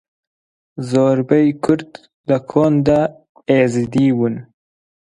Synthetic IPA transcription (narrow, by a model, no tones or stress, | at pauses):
zoɾbajkʰʊɾt̪ | lakʰond̪a | ezid̪iwun